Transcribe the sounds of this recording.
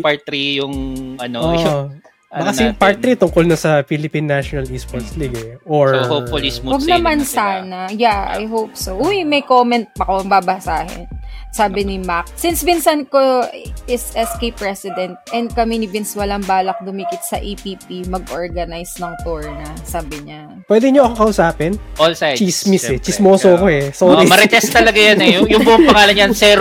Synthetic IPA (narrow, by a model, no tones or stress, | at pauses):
paɹt̪ɾijʊŋʔɐnoo | ɐkɐsɛjʊŋpaɹt̪ɾit̪ʊŋkolnɐsɐfilɪpinːaʃɔnɐlispɔɹsliɡɛʔoɹhofolismwɐɡɡnɐmɐnsaːnɐjaa̰jɦowp̚soʔujmɐjkomɛnt̪̚pɐkoɐŋbaːbɐsaːɦɪ̰nsaːbɪnɪmak̚sɪnsbɪnsɐnkoɪsʔɛskejpːɹɛsɪd̪ɛnt̪̚ʔɛnd̪̚kɐminɪbɪnswɐlɐŋbaːlɐk̚d̪ʊmikɪt̪sɐ̰ʔipipimɐɡ̚ʔoɹɡɐnajsnɐŋt̪ɔɹnɐsaːbɪɲa | pwɛd̪ɛɲoʔɐkokɐʔʊsaːpɛnʔɔlsat͡ʃismisɛt͡ʃɪsmoːsoɐkoɛsoːɾimɐɾɛt̪ɛstt̪ɐlɐɡajɐnɛjʊjʊŋbʊʔopɐŋaːlɐnɲɐnsɛːɾ